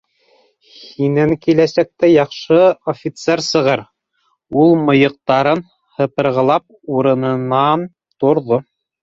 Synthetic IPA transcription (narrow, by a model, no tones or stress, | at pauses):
hinæŋkilæsæk̚t̪æjɑqʃɤofʲit̪seɾsɤ̆ʁɤɾ | ulˠmɤ̆jɤ̆q̚t̪ɑɾɤn | hɤ̆pɤ̆ɾʁɤ̆lˠɑp̚ | uɾɤ̆nɤ̆nɑn | t̪ŏɾðo